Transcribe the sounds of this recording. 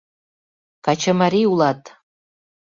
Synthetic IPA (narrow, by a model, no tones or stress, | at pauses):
kat͡ʃʰəmaɾiulˠɑt̪